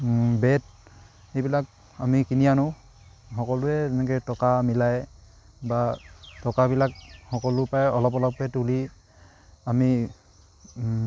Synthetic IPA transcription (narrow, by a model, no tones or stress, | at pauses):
bɛt | xejbilak̚ | amikinijanʊ | xɔkɔlʊɛtɛnɛkɛtɔkamilaj | batɔkabilak̚hɔkɔlʊpajɔlɔpɔlɔp̚bɛtuli | ami